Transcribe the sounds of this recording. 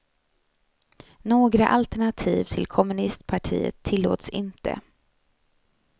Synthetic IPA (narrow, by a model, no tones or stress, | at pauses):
noːɡɾaʔalt̪ɛɳat̪ʰiːvt̪ʰɪlkʰɔmɵnɪst̪̚pʰaʈʰḭːə̰t̪ʰːɪlːo̰ːt̪sɪnt̪ʰə̰